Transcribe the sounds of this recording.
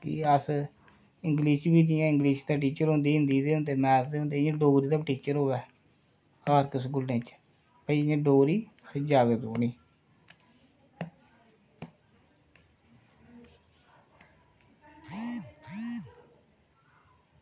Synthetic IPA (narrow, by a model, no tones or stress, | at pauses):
kɪ̰əs | ɪŋɡliːʃbiːniːãːɪ̃ŋɡliːʃt̪aːʈ̬iːt͡ʃəɾɦõnd̪iːɦʊ̃nd̪iːd̪eːɦʊ̃nd̪eːmɛːsd̪eːʊ̃nd̪eːɲãɖoːɾiːd̪aːʈiːt͡ʃəɾɦoːʋɛː | aːɾkəsɡʊlnẽːt͡ʃ | pəiɲãːɖoːɾiː | səd͡ʒaːɡət̪uːniː